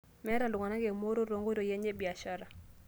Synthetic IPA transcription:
mɛ˦ɾa˨lʊ˨ŋa˨na˦ɡe˨mo˦ɾo˦ɾo˨ŋɡo˦ɾo˨jɛ˦ɲe˦bi˨a˨ʃa˦ɾa˨

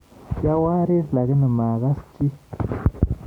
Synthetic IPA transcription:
ja˦wa˦ɾe˦ɾla˨ɡə˦nə˨ma˨ɣa˦sti˦

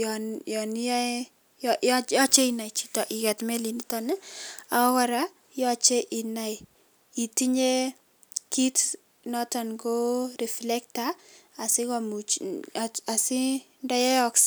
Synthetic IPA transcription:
jɔnjɔ˨ni˦j | jjjɔ˦t͡ʃe˦ina˨jt͡ʃi̥˦tɔ˨ʔi˨kɛ˨tme˦li˨ni˦tɔnɛ˦a˨ɔ˦kɔ˦ɾa | jɔ˦t͡ʃe˦ʔi˨na˨j | i˨ti˦ɲe˦ | ki˦t | nɔta˨nɡo˦ɾi˨flɛ˦k̚taː˨sɪ˦kɔ˨mu˨t͡ʃ | a˨si˦ | nda˦jɛ˦ɔ˨ks

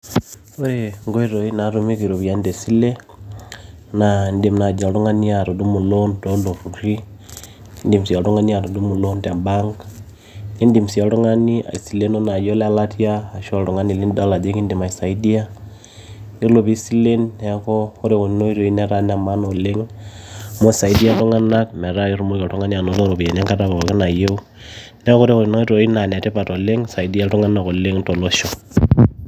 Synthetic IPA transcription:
o˦ɾeŋɡo˦i˦ɾo˨i˦na˨ɾu˦mi˦βi˨ɾo˨βja˦nde˨si˦le˦ | nandi˨m˨na˨d͡ʒa˨lu˦ŋa˦ni˦a˨ɾo˨du˦mu˨lo˦ndo˦ndo˨fu˨ɾi˦ | ndi˨msi˨a˨lu˦ŋa˦ni˦a˨ɾo˨du˦mu˨lo˦nda˨mbaŋɡa | li˦ndi˨msi˨a˨ɾo˦ŋa˦ni˦a̰˨i˨sile˦no˦na˨d͡ʒo˦la˦la˦tʰi˦aː˨ʃo˦ɾo˨ŋa˦ni˨li˦nda˦la˨d͡ʒe˦ŋi˦ndi˨ma˨isa˨i˦di˦a˦ | o˦lo˨pi˦si˦le˦nːɛ˨kɔ˦o˦ɾe˦ko˨ni˦no˦i˦ɾo˨i˦nɛ˨ɾa˦n˦a˨ma˦no˨le˦ŋ | mo˦sa˨i˦di˦a˦to˦ŋa˦na˦kmɛ˨ɾa˦i˦ɾu˦mo˦ikɔ˨to˦ŋa˦ni˦a˨no˨˦lo˦ɾo˨pi˨je˨nɛ˦ŋka˦ta˦βa˨o˨ke˦na˨je˦u˦ | nɛ˦ko˦ɾe˦ko˨i˨no˦i˦ɾo˨˦i˦na˨nɛ˨te˦pa˨to˨le˦ŋsa˨i˨di˦a˦tu˦ŋa˦na˨ko˨le˦ŋto˨lo˦ʃo˨

